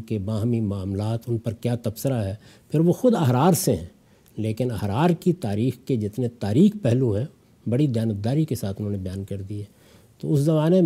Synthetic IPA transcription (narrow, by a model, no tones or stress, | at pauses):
kebãːɦmimaːmlaːt̪ʊnpɐɾkjaːt̪ɐbsəɾaɦɛpʰɪɾʋoxʊd̪ɐɦɾaːɾseɦɛ̃ː | leːkɪnɐɦɾaːɾkit̪aːɾiːxked͡ʒɪt̪net̪aːɾiːxpɛɦluɦɛ̃ | bɐɽid̪jaːnət̪̚d̪aːɾikesaːt̪ʰʊnɦõːnebɐjaːnkɐɾd̪iɛ | t̪oʊszɐbaːne